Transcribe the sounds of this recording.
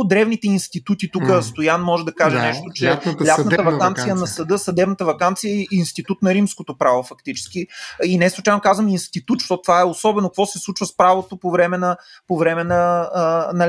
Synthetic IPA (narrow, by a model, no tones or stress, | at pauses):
d̪ɾɛvnit̪ɛinst̪it̪ut̪it̪ukəst̪ojanmɔʒɛd̪ɐkaʒɛnɛʃt̪ot͡ʃɛlʲastt̪əvɐkant̪sijənɐsɐd̪ɤsɐd̪ɛbnət̪əvɐkant̪sijəiinst̪it̪ut̪nɐɾimskot̪opɾavofɐkt̪it͡ʃɛ̥sk̟iinɛslˠut͡ʃajnokazvəminst̪it̪ut̪ʃt̪ɔt̪t̪vaɛosɔbɛnokɐkvɔsɛslˠut͡ʃvəspɾavot̪opovɾɛmɛnɐ | povɾɛmɛnɐ | nɐ